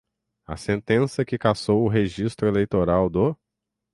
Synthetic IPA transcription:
ɐ̰sẽnt̪ẽsɐkɪkasowʊɦeʒist̪ɾʊelejt̪oɾawd̪ʊ

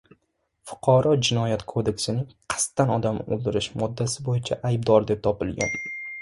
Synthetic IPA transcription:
fʊ̥qʰɑɾɒd͡ʒɪnɒjat̪kʰod̪e̞kʲsɪnɪŋqʰɨ̥st̪ːanɒd̪amo̰lˠd̪ɪɾɪʃmɒd̪ːasɪbojɪt͡ʃʰaʔajb̚d̪ɒɾd̪e̞p̚t̪ʰɒpɪlˠɡʲa̰n

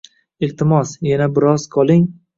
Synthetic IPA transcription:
ɪlt̪ʰɪmɒsjanabɪɾɒz̥qʰɒlˠɪŋ

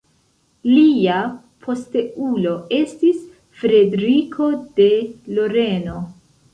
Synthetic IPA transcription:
lia | pʰo̞steulo̞e̞stis | fɾe̞deɾikʰo̞de̞lo̞ɾe̞no̞

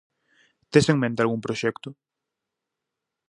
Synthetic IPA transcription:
t̪eseŋmẽnt̪ealɣuŋpɾoʃɛkt̪ʊ

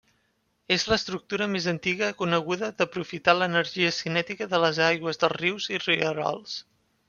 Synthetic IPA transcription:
ezləst̪ɾuk̚t̪uɾəmezənt̪iɣəkunəɣ̞uðəðəpɾufit̪alənəɾʒiəsinɛt̪ikəðələzajɣwəzðəlˠriwziriəɾɔ̰lˠs

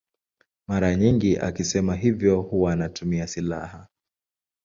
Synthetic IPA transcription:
maɾaɲiŋɡiʔa̰kisɛmaɦivjɔhuwaːnatumiasilaha

